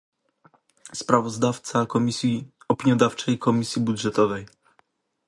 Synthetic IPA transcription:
spɾavɔzd̪aft̪sakɔmʲisʲji | ɔpʲiɲjɔd̪aft͡ʂɛjkʰɔmʲisʲjibud̪ʐɛt̪ɔvɛj

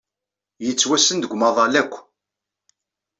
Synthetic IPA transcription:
jət͡sːwæsənd̪əɡʷmɑðˤɑlækʷː

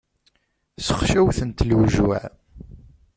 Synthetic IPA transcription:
sə̥χʃæwθənt̪lwʒwæ̰ʕ

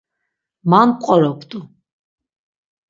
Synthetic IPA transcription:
manqʷʼɔɾɔkʷʰt̪ʼu

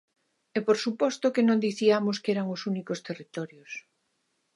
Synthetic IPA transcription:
ɛpoɾsupɔst̪okenõnd̪iθiamoskɛɾaŋʊsunikost̪erit̪ɔɾjos

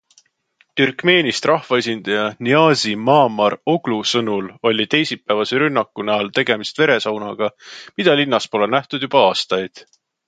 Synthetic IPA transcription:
t̪yrkˑme̞ːnist̪rʔɑhvɑe̞s̬ʲind̪̥ɑjɑniɑːsimɑːmɑro̞ɡ̥lusɤnulo̞lʲit̪e̞jsipːˑævɑseɾynːɑkːˑunæɑlt̪e̞ɡ̥e̞mist̪ve̞ɾe̞sɑwnɑɡ̥ɑmid̪̥ɑlinːɑspo̞lenæht̪ud̪̥jub̥ɑɑːst̪ɑjd̪̥

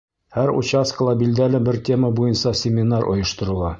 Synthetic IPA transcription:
hæɾṵt͡ɕɑskəlˠɑbilʲd̪ælɘbɘɾt̪ʲe̞məbujɤnsɑsʲɪmʲɪnɑɾʔŏ̰jɤ̆ʃt̪ŏɾŭlˠɑ

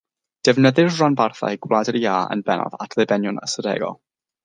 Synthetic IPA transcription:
d̥ɛvnəðɪrranbarθa̰jɡwlˠadəɾiaːə̰nbɛnɔ̰ðatʰlˠɨbɛnjʊnə̰sədɛ̰ɡɔ̰lˠ

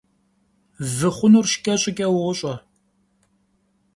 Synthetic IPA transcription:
vɨχʷʊnurʃɪ̥kʲʼɐɕʼɪkʲʼɐwʊɕʼɐ

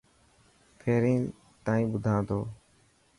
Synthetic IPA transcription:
pʰeːɾĩː | t̪aːĩːɓʊd̪ʱãːt̪oː

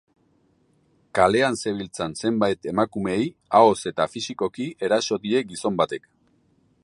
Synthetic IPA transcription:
kale̞anse̞βilt͡sanse̞mbajt̪e̞makume̞jao̞se̞t̪afisiko̞kie̞ɾaso̞ðie̞ɡiso̞mbat̪e̞k

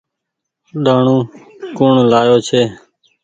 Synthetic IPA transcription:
ɗaːɳũː | koːɳlaːjoːt͡ʃʰeː

